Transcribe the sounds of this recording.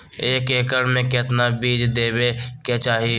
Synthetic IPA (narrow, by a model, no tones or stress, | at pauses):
eːkeːkəɽmẽkɪt̪nabiːd͡ʒd̪eːbeket͡ʃaːɦi